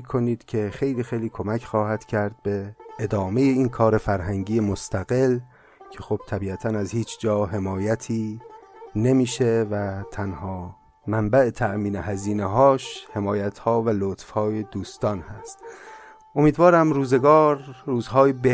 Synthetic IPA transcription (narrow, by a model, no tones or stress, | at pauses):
kʰo̞niːd̪̥cʰe̞xe̞jliːxejliːkʰo̞mæcʰχɒːhæd̪̥cʰæɾd̪̥̚be̞ːd̪ɒːmejeiːnkʰɒːɾe̞fæɾɦæŋɟiːemost̪ʰæɣe̞l | cʰe̞xob̥t̪ʰæbiːæt̪ʰænæzhiːt͡ʃʰd͡ʒɒːɦe̞mɒːjæt̪ʰiː | ne̞miːʃevæt̪ʰænhɒː | mæmbæʔet̪ʰæʔmiːnehæziːneɦɒːʃhe̞mɒːjæt̪ʰhɒːvælot̪fhɒːje̞d̪uːst̪ɒːnhæst̪ | ʔo̞miːd̪vɒːɾæmɾuːze̞ɡɒːɾːuːzɦɒːjebe